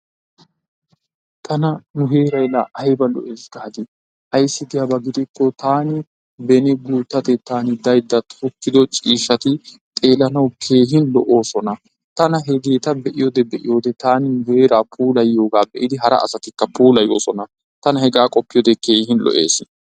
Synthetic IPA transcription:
t̪ʰɐnɐnʊɦe̞ːɾɐjlɐʔɐjbɐlɔ̰ʔeːsɡ̥aːd̪ɪ | ɐjsːɪd̪ɪjabɐɡɪd̪ɪkːɔt̪aːnɪ | bɛnɪɡuːt̪ːɐt̪ɛt̪aːnɪd̪ɐjd̪ːɐt̪ʊkːɪd̪ɔt͡ʃʼiːʃɐt̪ɪt̪ʼe̞ːlɐnɐwkʰe̞ːɦɪnlɔʔo̞ːsɔnɐ | t̪ɐnɐɦɛɡeːt̪ɐbɛʔɪjod̪ɛbɛʔɪ̰jo̞ːd̪ɛt̪aːnɪnʊhe̞ːɾaːpʰuːlɐjːo̞ːɡaːbɛʔɪd̪ɪɦɐɾɐ̰ɐ̰sɐt̪ɪkːɐpuːlɐjoːsɔnɐ | t̪ɐnɐɦɛɡaːkʼɔpːɪjɔd̪ɛkʰe̞ːhɪnlʔɔ̰ʔḛːsɪ

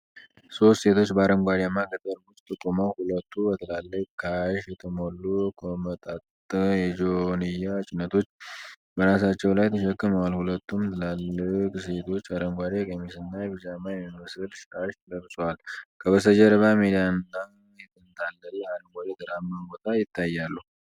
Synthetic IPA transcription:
so̞st̪se̞t̪ʰo̞t͡ʃːbəaɾəŋɡʷad̪jamːaɡəd̪ʼəɾbʊst̪ʼt̪ʼɨkʼːoməwhulət̪ʰːubət̪ʰəlalːɨkʼkʰaʃjɛt̪ʰəmo̞lːukʰəmət̪ʼat̪ʼ | jɛd͡ʒonɨjːat͡ʃʼɪnːət̪ʰo̞t͡ʃː | bəɾasat͡ʃːɛwlajt̪ʰəʃɛkːɨməwalhulət̪ʰːumt̪ʰəlalːɨkʼse̞t̪ʰo̞t͡ʃːaɾəŋɡʷad̪ekʼemisɨnːajɛbɨd͡ʒamːajɛmiməsɨlʃkʰaʃt̪ʰəɡəɾsʼowalkʰəbəsəd͡ʒəɾəβamid̪ijanda | jɛt̪ʰɨnt̪ʰalːəɾiaɾəŋɡʷaɾed̪əɾamːabo̞t̪ʰajɪt̪ːajːalːu

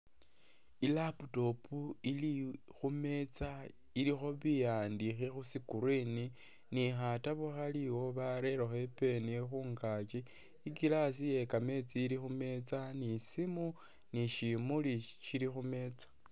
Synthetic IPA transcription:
ilaputo̞pʰuili | xume̞t͡sa | ilixo̞βijaːndixixusikuɾini | nixataβuxaliwo̞βaɾe̞ɾoxe̞pe̞nixuːŋkat͡ʃiː | ɡilas̬ije̞kame̞t͡siːɾixume̞t͡sanisimu | niʃimuliʃiɾixume̞t͡sḁ

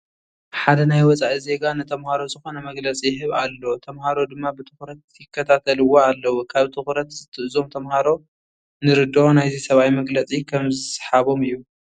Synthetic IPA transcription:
ħad̪ɐnajwɔt͡sʼaʔize̞ɡanɨt̪ʰɐmhaɾo̞zɨxo̞nɐmɐɡlɐt͡sʼijɪɦɨβalːo̞t̪ʰɐmhaɾo̞d̪ɨmːabɨt̪ʰɨxɾɐt̪jɪkːɐt̪ʰat̪ʰɐlɨwoalːɐwukʰaβt̪ʰɨxɾɐt̪zɨt̪ʰɨʔɨzo̞mt̪ʰɐmhaɾo̞ | nɨɾɨd̪onajzisɐβajmɐɡlɐt͡sʼikʰɐmzɨsħaβo̞mɨjːu

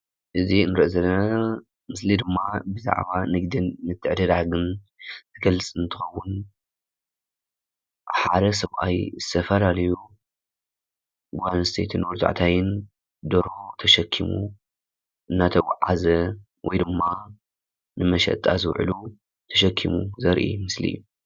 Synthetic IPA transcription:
ʔɨzinɾɐʔzɐlːɐna | mɨslid̪ɨmːabɨza̰ʕβanɨɡd̪inːɨt̪ʰːɨʕd̪ɐd̪aɡɨn | zʰɨɡɐlɨt͡sʼɨnt̪ʰɨxɐwːʊn | ħad̪ɐs̬ɐβʔa̰jzɨt̪ʰɐfɐlalɐju | ɡanst̪ʰet̪ʰɨnwɔɾt̪ʰa̰ʕt̪ʰajɪn | d̪oɾot̪ʰɐʃɐkʰːimṵ | ʔɨnːat̪ʰɐwa̰ʕazɐ | wɔjd̪ɨmːa | nɨmɐʃɐ̰t̪ʼazɨwʕ̰lu | t̪ʰɐʃɐkʰːimuzɐɾʔḭmɨslḭjːu

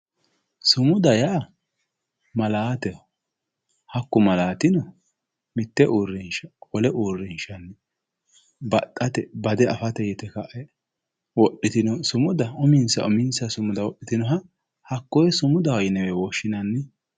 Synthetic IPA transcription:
sʊmʊd̪ɐjaː | mɐlaːt̪ɛ | hɐkːʊmɐlaːt̪ɪnɔ | mɪt̪ːɛʔuːrːɛnʃɐ̥wɔlɛʔuːrːɛnʃɐnː | bɐt̪ʼːɐt̪ɛbɐd̪ɛʔɐfɐt̪ɛjɛt̪ɛkɐʔɛ | wɔɗɪt̪ɪnɔsʊmʊd̪ɐʊmɪnsɐ̰ʔɔmɪnsɐsʊmʊd̪ɐwɔɗɪt̪ɪnɔɦɐ | hɐkːɔjɛsʊmʊd̪ɐwɔjɪnɛwɛwɔʃːɪnɐnːɪ

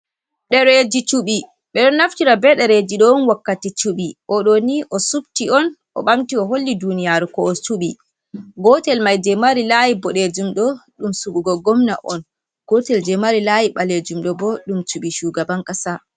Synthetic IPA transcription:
ɗɛɾed͡ʒit͡ʃuɓi | ɓɛɗɔnːaftiɾabɛɗɛɾed͡ʒiɗɔnwakːatit͡ʃuɓiʔɔɗoniʔɔsub̚tiɔn | ʔɔ̰ɓamtiɔɦolːidunijaɾkɔɔt͡ʃuɓi | ɡɔtɛlmajdɛmaɾilajibɔɗed͡ʒumɗɔɗumsuɡuɡɔɡɔmna̰ʔɔ̰n | ɡ̥ɔtɛld͡ʒɛmaɾilajiɓaled͡ʒumɗɔbɔɗumt͡ʃuɓiʃuːɡabaŋkʼasa

